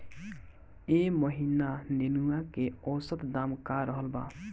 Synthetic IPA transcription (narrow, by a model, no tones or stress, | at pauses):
eməɦinanenuakeɔsət̪d̪amkaɾəɦəlba̰